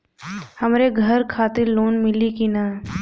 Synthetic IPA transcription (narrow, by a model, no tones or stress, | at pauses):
hɐmɾeɡʱɐɾkʰaːt̪ɪɾloːnmɪlikina